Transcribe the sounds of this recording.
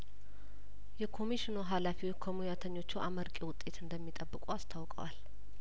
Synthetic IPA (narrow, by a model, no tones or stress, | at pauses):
jɛkʰo̞miʃino̞ɦalafiwkʰomujat̪ʰəɲːo̞t͡ʃːuʔaməɾkʼiwʊt̪ʼːe̞t̪ɨnd̪əmːit̪ʼəbːɨkʼuast̪ʰawkʼə̰wal